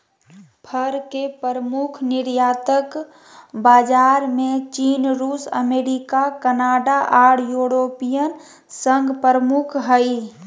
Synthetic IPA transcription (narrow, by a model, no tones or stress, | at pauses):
pʰəɾkepəɾəmukʰnɪɾjaːt̪ək | baːd͡ʒaːɾmẽt͡ʃiːnɾuːsə̰meːɾikakənaːɖaʔaːɽjuːɾoːpijən | səŋɡpəɾəmukʰɦəi